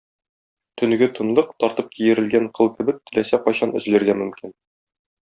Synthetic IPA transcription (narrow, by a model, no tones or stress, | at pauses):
t̪ʰɵ̆n̆ɡɘt̪ɤ̆nlˠɤq̚t̪ɒɾt̪ɤp̚kʰijɘ̆ɾɘ̆lɡæɴqʰɤ̆lˠkɘ̆bɘk̚t̪ʰːɘ̆læsæqɒɕɑnɵ̆zlɘ̆ɾɡæmɵ̆mkʲin